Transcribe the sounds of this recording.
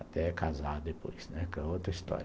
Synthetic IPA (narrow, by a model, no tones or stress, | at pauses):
at̪ɛkazad̪epojz̥nɛkẽot̪ɾɐist̪ɔ̰ɾ